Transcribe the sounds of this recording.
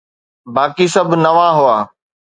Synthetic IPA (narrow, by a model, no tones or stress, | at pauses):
baːkisɐbʱnɐʋaːɦuaː